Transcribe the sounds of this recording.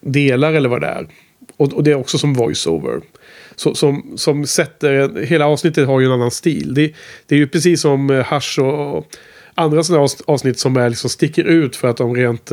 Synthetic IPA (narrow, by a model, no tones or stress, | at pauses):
d̪eːlaɾɛlːəɾva̰d̪ɛ̰æ̰ɾ | ɔɔd̪ɛæɾɔksɔsɔmvɔjso̰ːvə̰ɾ | sɔsɔmsɔmsɛt̪ːəɾɛnɦeːlaɑːvsnɪt̪ːət̪haɾjɵɛnanːanst̪ḭːld̪ɛd̪̥ɛæɾjɵpʰɾɛs̬iːsːɔmhaʂɔ | and̪ɾasɔnæɑːvsnɪt̪ːsɔmæɾɭɪksɔmst̪ɪkːəɾʉ̟ːt̪fœɾat̪̚d̪ɔmɾeːnt̪